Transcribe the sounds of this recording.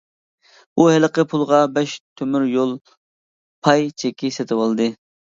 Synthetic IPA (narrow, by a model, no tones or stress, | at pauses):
buhɛləqəpʰulˠʁɑbɛʃt̪ʰømyɾjolˠ | pʰɑjt͡ʃʰɛkʲːisɛt̪ʰɪwɑlˠɨd̪ɨ